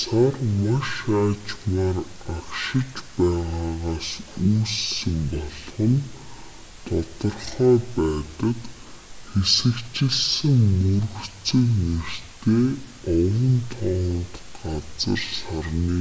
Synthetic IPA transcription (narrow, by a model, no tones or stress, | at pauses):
sarmaʃaːt͡ɕmaːr | akʃɪ̆t͡ɕpæːʁaːʁaːsuːsːɘ̆mpɔɮχə̆n | t̪ʰʊt̪ɞ̆rχœːpæːt̪ə̆t̪ | xesɘ̆kt͡ɕɪ̆ɮsɘ̆ŋmɵrɵ̆t͡sɵ̆kner̥t̪ʰeː | ɔwə̆nt̪ʰɔːʁɞ̆nt̪ɢat͡sə̰̆rsarniː